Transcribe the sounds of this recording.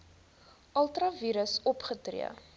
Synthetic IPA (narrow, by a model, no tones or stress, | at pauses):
ʔɐlˠtrɐviːɾəsɔpχətrḭə